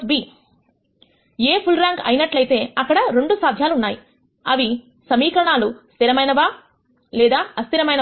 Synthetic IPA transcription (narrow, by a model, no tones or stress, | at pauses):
biː | eːpʰulɾaːŋɡɐ̰jinɐʈlɐjt̪e̞ːɐkːɐɽɐɾe̞ɳɖusaːd̪ʱjaːluunːaːji | ɐʋi | sɐmiːkɾɐɳaːlust̪iɾɐmɐjnɐʋaː | lɛːd̪aːɐst̪iɾɐmɐjnɐ